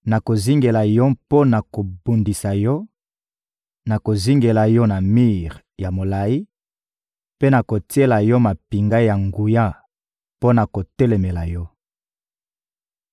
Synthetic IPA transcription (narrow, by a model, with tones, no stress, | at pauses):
na˨ko˨zi˦ŋɡe˨la˨jɔ˦po˦na˨ko˨bu˨ndi˨sa˨jɔ˦ | na˨ko˨zi˦ŋɡe˨la˨jɔ˦na˨mi˦ʁ | ja˨mo˨la˨i˦ | pe˦na˨ko˨ti˦e˦la˨jɔ˦ma˨pi˨ŋɡa˦ja˨ŋɡu˨ja˦ | po˦na˨ko˨tɛ˦lɛ˨me˨la˨jɔ˦